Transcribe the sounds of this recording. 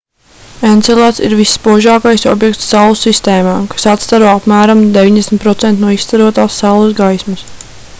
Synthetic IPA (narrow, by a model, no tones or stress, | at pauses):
enelˠat̪sḭɾvisːpuɔʒaːkajsɔ̰bjɛk̚t̪sːalˠusist̪eːmaːkḁsat̪st̪aɾoapmæːɾamd̪eviɲd̪esmʲt̪pɾɔt̪sɛnt̪nuɔist̪aɾuɔt̪aːsːalˠuzɡajsmas